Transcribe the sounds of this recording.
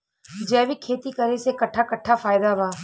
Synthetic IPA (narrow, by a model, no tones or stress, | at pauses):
d͡ʒɛːʋikʰeːt̪ikɐɾesekɐʈʰːakɐʈʰːafaːjɪd̪abʱaː